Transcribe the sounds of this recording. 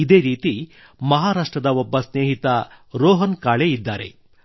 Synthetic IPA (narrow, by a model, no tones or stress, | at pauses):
id̪e̞ːɾiːt̪i | mɐɦaːɾaːʂʈɾɐd̪ɐɔbːɐsneːɦit̪ɐɾɔːɦɐnkaːɭeid̪ːaːɾe̞̰